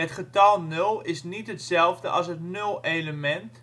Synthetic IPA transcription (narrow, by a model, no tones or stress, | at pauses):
ətχətɔlˠnølˠɪsnitɦətsɛlˠfdəʔɑ̰sɦətnølˠeləmɛnt